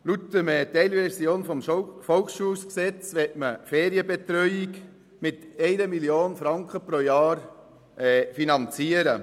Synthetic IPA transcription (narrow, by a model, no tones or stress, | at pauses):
lut̪ːəmɛtɛɪlvɛɾsjoːnfɔmfɔlksʃuːsksɛt͡sʋɛtməfɛːɾiəbɛt̪ɾœʏiɡ | mɪt̪ɛɪnəmiljoːnfɾɑŋkχəpɾojɑːɾ | ɛfinɑnt͡siəɾə